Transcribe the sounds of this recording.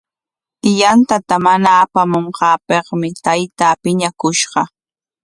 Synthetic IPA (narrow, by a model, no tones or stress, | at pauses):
ɪjant̪at̪amanaːpamoɴqɑːpeχmɪt̪ajt̪aːpɪɲakʊʃɢɑ